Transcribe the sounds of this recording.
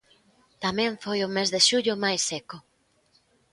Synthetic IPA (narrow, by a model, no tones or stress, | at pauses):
t̪amɛ̃ɱfojʊmezðeʃuʎʊmajsːeko